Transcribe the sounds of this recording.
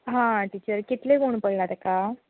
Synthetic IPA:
ɦãʈiːt͡ɕəɾkit̪lekoɳpəɽlat̪eka

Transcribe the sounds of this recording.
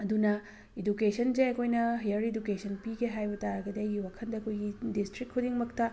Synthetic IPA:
ɐd̪unɐ | idukesʰɐnd͡ʒeɐkʰojnɐɦijɐɾidukesʰɐnpiɡeɦajbɐtaɾɐɡɐdejɡiwakʰɐndɐːkʰojɡidistɾik̚kʰːudiŋmɐk̚tɐ

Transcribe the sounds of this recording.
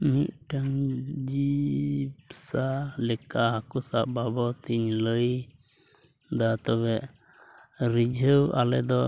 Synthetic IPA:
mit̪̚ʈaŋd͡ʒi | bsalɛkaɦakusaʔbabɔt̪iɲləj | d̪at̪ɔβɛʔ | ɾid͡ʒʱəwalɛd̪ɔ

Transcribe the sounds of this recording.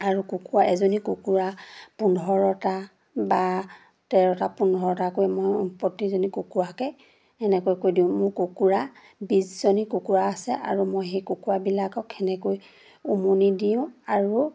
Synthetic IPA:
aɹukukuɹaɛzɔnikukuɹapundʱɔɹɔta | ba | tɛɹɔtapundʱɔɹɔtakojɛmojpɔtizɔnikukuɹakɛ | ɛnɛkojkojdiʊ̃mʊɹkukuɹa | biszɔnikukuɹaːsɛʔa̰ɹumojɦejkukuɹabilakɔkʰɛnɛkoj | umunidiʊ̃aɹu

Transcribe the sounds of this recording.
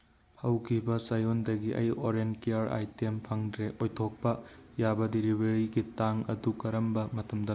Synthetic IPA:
hɐwkʰibɐsajondɐɡiʔɐ̰joɾenkeaɾa̰jtempʰɐŋdɾeʔojtʰok̚pɐ | jabɐdiɾibʱeɾiɡitaŋɐ̰dukɐɾɐmbɐmɐtɐmdɐ

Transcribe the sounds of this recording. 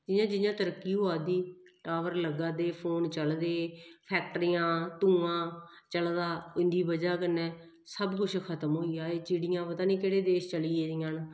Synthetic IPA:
d͡ʒɪjãːd͡ʒɪjãːt̪əɾəkːiːɦoaːd̪iːʈaːʋəɾləɡãːd̪eːpʰoːnt͡ʃəld̪eːpʰɛːk̚ʈəɾiːãːt̪ũːãː | t͡ʃəld̪aːʊɪ̃nd̪iːbəd͡ʒaːkənːɛ̃ː | səbkʊt͡ʃʰkʰət̪əmɦoːijaːeːt͡ʃɪɽɪjãːpət̪ãːnĩːkeːɽeːd̪eːʃt͡ʃəliːeːɪjãːn

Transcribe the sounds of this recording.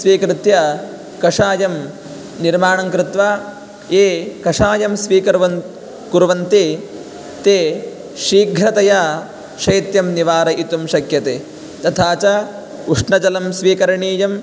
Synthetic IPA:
sʋiːkɾɪt̪jɐ | kɐʂaːjɐm | niɾmaːɳɐŋkɾɪt̪ʋaː | eːkɐʂaːjɐmsʋiːkɐɾʋɐ | kuɾʋɐnt̪i | t̪eː | ʃiːɡʱɾɐt̪ɐjaː | ʃɐjt̪jɐmniʋaːɾɐʔit̪umʃɐkjɐt̪eː | t̪ɐt̪ʰaːt͡ʃɐ | uʂɳɐd͡ʒɐlɐmsʋiːkɐɾɐɳiːjɐm

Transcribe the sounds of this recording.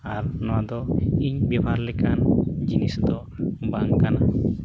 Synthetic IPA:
aɾnɔwad̪ɔiɲbɛbʱaɾlɛkand͡ʒinisd̪ɔ | baŋkana

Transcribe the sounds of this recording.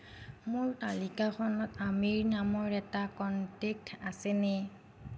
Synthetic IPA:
mʊɹtalikaxʰɔnɔtamiɹnamɔɹɛtakɔntek̚tʰasɛnɛ

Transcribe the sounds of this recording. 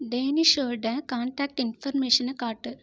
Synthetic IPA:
ɖeːniʂoɖɐ̃kaːɳʈaːk̚ʈinfɐrmeːʂɐnɨkaːʈːɨ

